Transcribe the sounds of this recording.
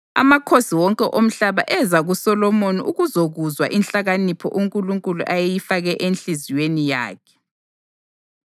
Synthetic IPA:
a̰makʰosiwɔŋkʼɛʔom̩ɬaβaʔɛzaɣusɔlɔmoniʔuɣuzoɣuzwa̰ʔinɬaɣanipʰɔ̰ʔuŋkʼuluŋkʼulṵʔajejifaɣɛʔenɬiziwenija̰ːkʰɛ̥

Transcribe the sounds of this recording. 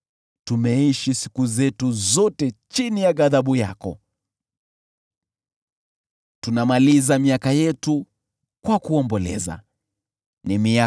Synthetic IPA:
tumɛiʃisi̥kuzɛtuzɔtɛt͡ʃinijaɠaðaɓujakɔ̰ | tunamalizamiakajɛtu | kwakuɔmbɔlɛ̰za̰ | nimia

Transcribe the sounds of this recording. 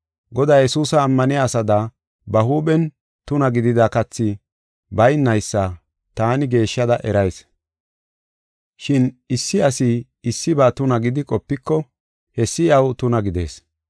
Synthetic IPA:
ɡɔd̪aːjɛsuːsɐːmːɐnɪasɐd̪ɐ | bɐɦuːbɛn | t̪ʊnɐɡɪd̪ɪd̪ɐkɐt͡sːɪ | bɐjnːɐjsːɐ | t̪aːnɪɡe̞ːʃːɐd̪ɐʔɛɾɐjs | ʃɪnɪsːɪɐsɪ | ɪsːɪbaːt̪ʊnɐɡɪd̪ɪkʼɔpːɪkːɔ | hɛsːɪɐwt̪ʊnɐɡɪd̪e̞̰ːs

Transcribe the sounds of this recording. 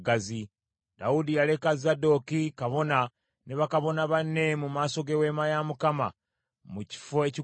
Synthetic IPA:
ɡazi | d̥audijale̞kazado̞kikaβo̞na | neβakaβo̞naβanːe̞mumaːso̞ɡewe̞ːmajamukama | muci̥foeci

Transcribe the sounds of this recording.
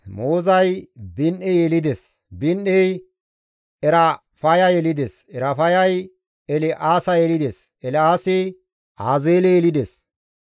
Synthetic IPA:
moːzɐjbɪnʔɛjɛlɪd̪es | bɪnɗɛj | ɛɾɐ | fɐjɐjɛlɪd̪esɛɾɐfɐjɐj | ɛlɪʔaːsɐjɛlɪd̪es | ɛlɪaːsɪ | ʔaːzeːlɛɛlɪd̪es

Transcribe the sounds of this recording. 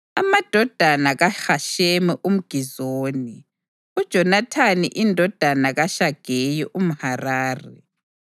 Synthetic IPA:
amad̥ʱɔd̥ʱanaɣaxaʃemɛʔum̩ɡ̥ʱizoːni | ud̥ʒ̥ʱɔnatʰanḭʔindʱɔd̥ʱanaɣaʃaɡ̥ʱejɔʔum̩haraːrɛ

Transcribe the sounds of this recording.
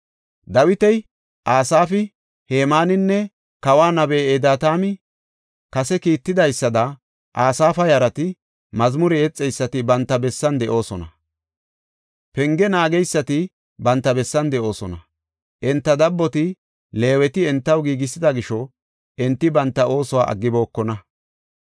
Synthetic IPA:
d̪ɐwɪt̪ɛj | ʔaːsaːfɪ | heːmaːnɪnːɛ | kɐwaːnɐbeːeːd̪aːt̪aːmɪ | kɐsɛkiːt̪ːɪd̪ɐjsːɐd̪ɐ | ʔaːsaːfɐjɐɾɐt̪ɪ | mɐzmʊɾɛɛt͡sʼːɛjsːɐt̪ɪbɐnt̪ːɐbɛsːɐnd̪ɛʔo̞ːsɔnɐ | pɛŋɡɛnaːɡɛjsːɐt̪ɪ | bɐnt̪ːɐbɛsːɐnd̪ɛʔo̞ːsɔ̰nɐ | ʔɛnt̪ːɐd̪ɐbːɔt̪ɪ | le̞ːwɛt̪ɪɛnt̪ːɐwɡiːɡɪsːɪd̪ɐɡɪʃɔ | ʔɛnt̪ːɪbɐnt̪ːɐo̞ːsɔwa̰ːʔɐ̰ɡːɪbo̞ːkːɔnɐ

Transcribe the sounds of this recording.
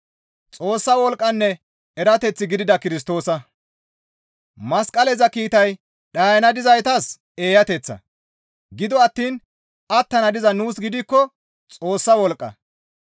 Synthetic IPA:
t͡sʼo̞ːsːɐwɔlkʼːɐnːɛ | ɛɾɐt̪ɛt͡sːɪɡɪd̪ɪd̪ɐkɪɾɪs̬t̪o̞ːsɐ | mɐskʼɐlɛzɐkiːt̪ɐj | ɗɐːjɐnɐd̪ɪzɐjt̪ɐs | eːjɐt̪ɛt͡sːɐ̰ | ɡɪd̪ɔɐt̪ːiːn | ɐt̪ːɐnɐd̪ɪzɐnuːsɡɪd̪ɪkːɔ | t͡sʼo̞ːsːɐwɔlkʼːɐ̰

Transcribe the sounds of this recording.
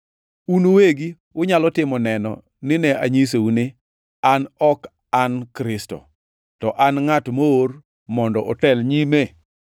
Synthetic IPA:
unoweɡi | ʊɲalɔtɪmɔnɛnɔ̰ | nɪnɛa̰ɲis̬eunɪ | anɔk | ankɾɪstɔ̰ | tɔʔanŋatmoor | mɔndɔʔɔtɛlɲime

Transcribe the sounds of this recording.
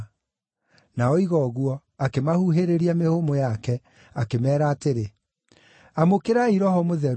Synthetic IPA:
naɔiɣɔɣwɔ | akemahuɦeɾeɾiamehomojakɛ | akemɛːɾaːteɾe | amokeɾaiɾɔhɔmoðɛɾ

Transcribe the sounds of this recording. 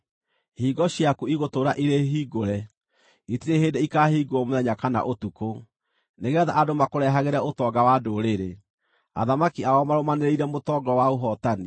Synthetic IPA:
hiːɡɔɕjakuiɣotoːɾaʔiɾeɦiːɡoɾɛ | itiɾeɦeːdeikahiːɡoɔmoðɛɲakana̰ʔotuko | neɣɛðaʔadomakoɾɛɦaɣeɾaotɔɡawadoɾeɾe | a̰ðamakiaɔmaɾomaneɾeiɾɛmotɔɡɔwaoɦɔtani

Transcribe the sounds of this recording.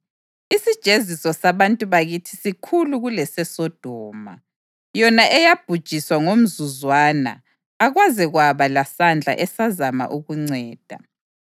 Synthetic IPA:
isid̥ʒ̥ʱezisɔsaβantʼuβaɣitʰi̥sikʰuluɣulɛsɛsɔd̥ʱɔːma̰ | jɔnaʔɛjab̥ʱud̥ʒ̥ʱiswaŋom̩zuzwaːna̰ | aɣwazɛɣwaβalasand͡ɮʱa̰ʔɛsazama̰ʔuɣuŋ͡ǀɛːd̥ʱa̰

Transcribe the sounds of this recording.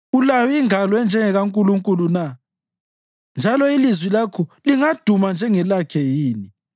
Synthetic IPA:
ulawiŋalwɛnd͡ʒʱɛŋɛɣaŋkʼuluŋkʼuluna | nd͡ʒʱalɔilizwilakʰuliŋad̥ʱumand͡ʒʱɛŋɛlakʰɛjiːni

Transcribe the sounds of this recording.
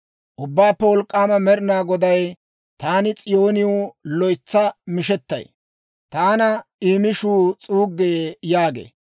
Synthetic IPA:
ʔʊbːaːpːɛwɔlkʼːaːmɐmɛɾɪnaːɡɔd̪ɐj | t̪aːnɪt͡sʼɪjo̞ːnɪʊlɔjt͡sːɐmɪʃɛt̪ːɐ̰j | t̪aːnɐiːmɪʃuːt͡sʼuːɡːeːjaːɡḛː

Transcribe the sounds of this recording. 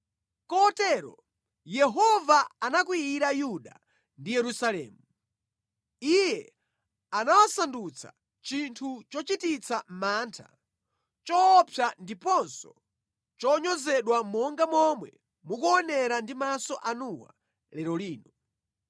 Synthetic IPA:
kɔtɛːɾɔ̰ | jɛɦɔvaanak̬wiiɾajuɗa̰ | ndijɛɾusalɛ̰ːmu | ijɛ | anawasandut͡sʰa̰ | t͡ʃintʰut͡ʃɔt͡ʃitit͡sʰamaːntʰa̰ | t͡ʃɔːpʰjandipɔnsɔ | t͡ʃɔɲɔzɛɗwamɔŋɡamɔmwɛ̰ | mukuɔnɛɾandimasɔʔanuwa̰ | lɛɾɔliːnɔ

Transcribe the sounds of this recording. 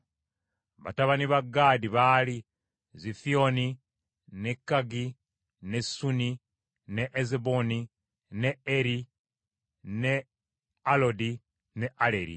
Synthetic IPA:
βa̰taβaniβaɡːaːdiβali | zifioni | nekːaɡi | nesuni | neʔeziboni | neeɾi | ne | alodi | neʔaleɾḭ

